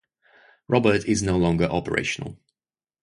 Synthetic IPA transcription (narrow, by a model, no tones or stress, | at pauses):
ɹʔɒbətʰɪznoʊlɔ̃ŋɡəʔɒpəɹḛɪʃənə̰lˠ